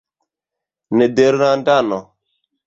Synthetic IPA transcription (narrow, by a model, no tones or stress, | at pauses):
nɛdeɾnandanɔ